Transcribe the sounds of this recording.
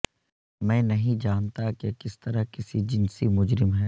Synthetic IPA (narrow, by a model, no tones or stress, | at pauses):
mɛ̃ːnɐɦĩd͡ʒaːnt̪akekɪst̪ɐɾakɪsid͡ʒɪnsimʊd͡ʒɾɪmɦɛ